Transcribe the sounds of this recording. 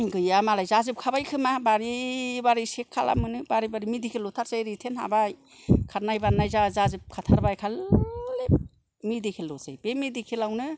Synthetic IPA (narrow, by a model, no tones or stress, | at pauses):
ɡɯjamalajzazɯp̚kʰabajkʰɯmabaɾibaɾisekʰːala̰mɯnɯbaɾibaɾimidekʰelːɔt̪ʰaɾsajɾitʰenha̰baj | kʰaɾnajbanajzazazɯp̚kʰat̪ʰaɾbajkʰalle | midekʰelːɔsa̰jbemid̪ekʰelawnɯ